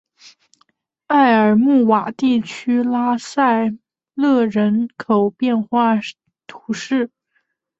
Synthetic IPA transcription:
a˥˩ɪə˞˨˩mu˥˩wa˨˩t̪i˥˩t͡ɕʰy˥la˥sa˥˧ɪ | lɤ˥˩ɻə˧˥nkʰo˨˩ʊpjɛ˥˧nxwa˥˩ | t̪ʰu̥˧˥ʂɻ̩˥˩

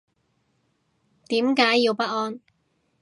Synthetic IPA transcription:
t̪iː˨˥mkaː˨˥jːiː˧wpɐ˥t̚ɔː˥n

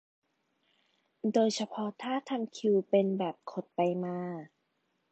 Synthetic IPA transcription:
doː˧jt͡ɕʰa˧pʰɔ˦˥t̪ʰaː˥˩t̪ʰa˧mkʰi˧wpe˧nbɛː˨˩p̚kʰo˨˩t̪̚pa˧jmaː˧

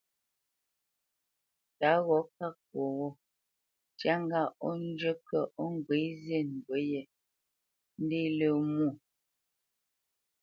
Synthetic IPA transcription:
ta˨˦ɣɔ˨˦ka˦˨kwo˨ɣɔ˦ | tja˦ŋ˦ɡa˦˨ɔ˦n˦d͡ʒə˦kə˦˨ʔɔ˦ŋ˦˨ɡwe˨˦zje˦˨n̩˨ɡwə˨˦jɛ˨ | n̩˦di˦lə˨mu˦˨

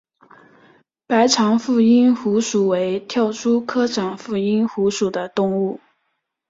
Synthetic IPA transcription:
pa˧˥ɪʈ͡ʂʰɑ˧˥ŋfu˥˩i˥nxu˧˥ʂu˨˩we˧˥ɪt̪ʰjɑ˥˩ʊʈ͡ʂʰu˥kʰɤ˥ʈ͡ʂʰɑ˨˩ŋfu˥˩i˥nxu˧˥ʂu˨˩d̪ə˦t̪ʊ˥˧ŋu˥˩

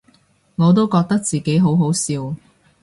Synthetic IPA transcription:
ŋɔː˨˧t̪̬o˥wkɔː˧k̚t̪ɐ˥k̚t͡siː˨ke˨˥jɦo˨˥wɦo˨˥wsiː˧w

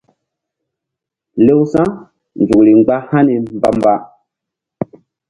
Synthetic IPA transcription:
le˦wsã˦ | nd͡ʒu˨kli˨ŋ͡mɡ͡ba˦ha˦ni˨m˦ba˦mba˦

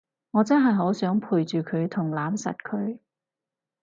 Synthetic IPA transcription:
ŋɔː˨˧t͡sɐ˥nɦɐ˨jɦoː˨˥wsœː˨˥ŋpʰuː˨jt͡ʃyː˨kʰɵ˨˧ɥt̪ʰʊ˨˩ŋlaː˨˥msɐ̰˨t̚kʰɵ˨˧ɥ

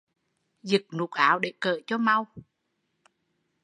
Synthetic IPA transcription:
zɨ˨˩k̚nu˨˩k̚ʔaː˧˩˦wɗe˧˩˦kəː˧˨t͡ɕɔ˧ma˧w

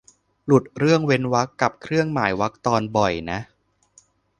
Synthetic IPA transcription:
lu˨˩t̪̚ɾɯ˥˩əŋwe˧˥nwa˦˥kːa˨˩p̚kʰɾɯ˥˩əŋmaː˩˦jwa˦˥k̚t̪ɔː˧nbɔ˨˩jna˦˥ʔ

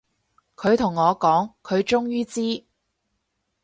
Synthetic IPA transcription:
kʰɵ˨˧ɥt̪ʰʊ˨˩ŋːɔː˨˧kɔː˨˥ŋkʰɵ˨˧ɥt͡ʃʊ˥ŋjyː˥t͡siː˥

